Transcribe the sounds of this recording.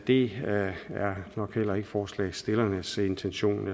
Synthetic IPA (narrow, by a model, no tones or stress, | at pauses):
d̥e̝ | æɐnɒ̽ɡ̥hel̰ɐeɡ̥əfɒːslɛ̰ɪsd̥e̝lɐnəse̝nt͡sʰenɕo̝̰ːn